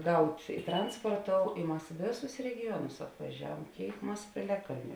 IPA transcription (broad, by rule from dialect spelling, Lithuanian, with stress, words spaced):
ˈɡɐʊtʲ ˈtrɐnspoːrˌtoːʊ ɪ ˈmɐs ˈʋʲeːˌsʊs rʲɛɡʲɪˈjuɔnʊs ɐpʋɐˈʒʲæːˌʋuɔm ˈkʲeːɪk ˈmɐs pʲeːˈlʲæːˌkɐlʲnʲʊ